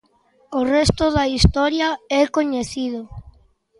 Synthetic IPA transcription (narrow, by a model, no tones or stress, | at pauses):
ʊrɛst̪ʊðaist̪ɔɾjaɛkoɲeθið̞ʊ